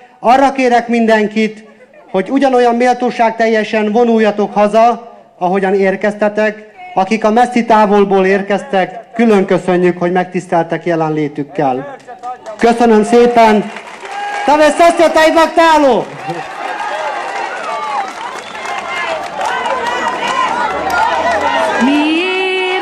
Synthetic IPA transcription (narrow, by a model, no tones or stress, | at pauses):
ɒrːɒkeːɾɛkmind̪ɛŋkit̪ho̞ɟuɟɒno̞jɒmːeːlt̪oːʃaːɡ̚t̪ɛjːɛʃɛnvo̞nujːɒt̪o̞khɒzɒ | ɒɦo̞ɟɒneːrkɛst̪ɛt̪ɛkɒkikɒmɛsːit̪aːvo̞lboːleːrkɛst̪ɛkːylø̞ŋkø̞sø̞ɲːykho̞ɟmɛk̚t̪ist̪ɛlt̪ɛkjɛlɛnleːt̪ykːɛl | kø̞sø̞nø̞mseːpɛn | t̪ɒvesɛst̪et̪ɛjivɒkt̪aːloː | mi